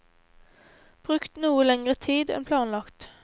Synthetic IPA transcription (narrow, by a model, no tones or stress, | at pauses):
b̥ʁʉkt̪nuːəlɛŋʁət̪ʰiːd̪ɛ̰npʰlɑːnlɑkt̪